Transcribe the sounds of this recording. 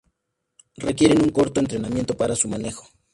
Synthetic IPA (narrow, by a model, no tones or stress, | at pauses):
rekje̞ɾe̞nuŋko̞ɾt̪oent̪ɾenamje̞nt̪opaɾasumane̞xo̥